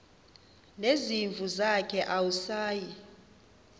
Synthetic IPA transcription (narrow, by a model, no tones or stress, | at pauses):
leziɱvʱuzakʰɛʔawusaːji